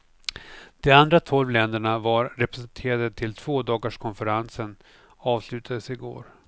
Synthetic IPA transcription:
d̪̥ɔand̪ɾat̪ʰɔlvlɛnd̪əɳavaɾɾɛpɾɛsɛnt̪ʰeːɾad̪ət̪ʰɪlt̪ʰv̥oːd̪ɑːɡaʂkʰɔnfəɾansən | ɑːvslʉ̟ːt̪ʰad̪əsɪɡo̰ːɾ

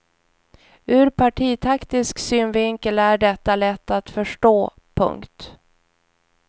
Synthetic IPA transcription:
ʉ̟ːɾpʰaʈʰiːt̪ʰakt̪ɪsksyːnvɪŋkəlæɖɛt̪ːalɛt̪ːat̪fœʂʈoː | pʰɵ̰ŋkt̪

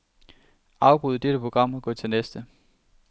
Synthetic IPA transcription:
ɑ̈ʊb̥ʁuðˠəd̥eɾ̥əpʰʁo̝ɡ̥ʁɑ̈m̰ɒɡ̥ɔ̰ːt͡sʰe̝lnesd̥ə

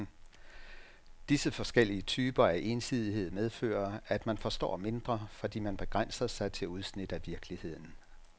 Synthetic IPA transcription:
d̥isəfɒ̽sɡ̥el̰iət͡sʰyːb̥ɐæʔe̝nsið̞ˠiɦe̝ð̞̰ˠmeð̞ˠfø̰ːɐæd̥mænfɒ̽sd̥ɒ̰ːme̝nd̥ʁɐfɒ̽d̥ḭːmænb̥e̝ɡ̥ʁan̰sɐsɑ̈ɪt͡sʰe̝luð̞ˠsnid̥æʋiɐɡ̥əlihe̝ð̞̰ˠn̩

